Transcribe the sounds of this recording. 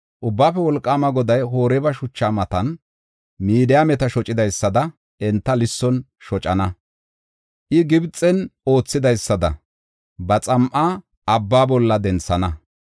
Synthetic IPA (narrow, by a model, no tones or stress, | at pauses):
ʔʊbːaːfɛwɔlkʼːaːmɐɡɔd̪ɐjɦoːɾɛbɐʃʊt͡ʃːaːmɐt̪ɐn | miːd̪ɪjamɛt̪ɐʃɔt͡ʃʼɪd̪ɐjsːɐd̪ɐ | ɛnt̪ːɐlɪsːɔn | ʃɔt͡ʃʼɐnɐ | ʔɪɡɪbt͡sʼːɛno̞ːt͡sːɪd̪ɐjsːɐd̪ɐ̰ | bɐt͡sʼɐmʔaː | ɐbːaːbɔlːɐd̪ɛnt͡sːɐnɐ